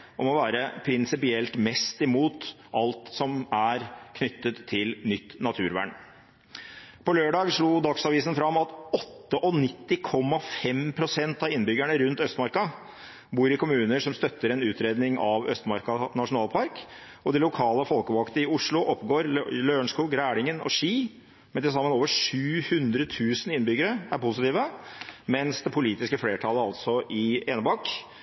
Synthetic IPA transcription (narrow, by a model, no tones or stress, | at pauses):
ʔɔmɔʋæːɾəpʰɾɪnsɪpɪɛlt̪mɛst̪ɪmuːt̪ | ɑlt̪sɔmæɾkʰnʏt̪ːət̪ʰːɪlnʏt̪ːnɑt̪ʰʉ̰ːɾʋæ̰ːɳ | pɔløːɖɑːɡʂɭuːd̪ɑksɑʋiːsən̩fɾɑmɑt̪ɔt̪ːəʔɔnɪt̪ːɪkʰɔmːɑfɛmpʰɾʊsɛnt̪ɑɪnbʏɡæɳəɾʉnt̪œst̪mɑɾkɑ | buːɾɪkʊmʉːnəʂɔmst̪œt̪ːəɾɛnʉːt̪ɾeːd̪nɪŋɑʋœ̰st̪mɑɾkɑnɑʂʊnɑːlpʰɑɾk | ɔd̪ɛlʊkʰɑːləfɔlkəʋɑkt̪əɪʊʂɭʊʔɔpːɡoːɾløːɳʂkuːɡɾæːɽɪŋənɔ̰ʂiː | mɛnt̪ɪs̬ɑmːənoːʋəʂʉːhʉnd̪ɾət̪ʰʉːsənɪnːbʏɡəɾəæɾpʊsɪt̪iːʋəmɛnsd̪ɛpʰʊliːt̪ɪskəfleːʈʰɑləɑlt̪sɔʔɪeːnəbɑkː